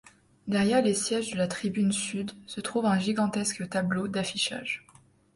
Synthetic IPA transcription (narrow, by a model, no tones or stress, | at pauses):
d̪ɛʁjɛʁlesjɛʒd̪əlat̪χibynsyd̪sət̪χuvɛ̃ʒiɡɑ̃t̪ɛskət̪ablod̪afiʃa̰ʒ